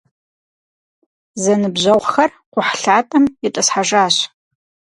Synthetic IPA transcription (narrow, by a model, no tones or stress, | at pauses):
zɐnɨbʑɐʁʷxɐr | qʷʊħɬaːtʼɐmɪtʼɐsħaʒaːɕ